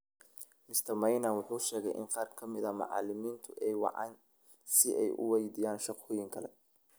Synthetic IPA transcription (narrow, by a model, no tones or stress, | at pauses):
mɪst̪ʰɐmɐjnɐnwʊħuːʃɛːɣɛjʔɪ̰nqɑːrkʰɐmɪðɐmʊ̰ʕɑ̰lɪmiːnt̪ʰʊʔɛjwɑ̰ʕɑ̰ːn | sɪʔɛjʔʊ̰wɛjd̪iːjaːnʃɑqʰɔːjɪŋkʰɐlɛ̰